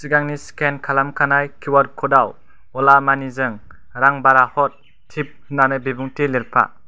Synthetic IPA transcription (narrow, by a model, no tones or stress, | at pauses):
siɡaŋniskenkʰalamkʰanajkʰiwaɾkʰɔdaw | ɔlamanizɯŋ | ɾaŋbaɾahɔt̚ʰː | ip̚hɯnanɯbibuŋtiliɾpʰa̰